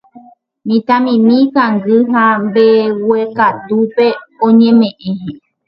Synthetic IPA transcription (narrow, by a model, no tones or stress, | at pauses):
mĩt̪amĩmĩkaŋɡɨɦambewekat̪upeõɲẽmẽʔẽɦẽ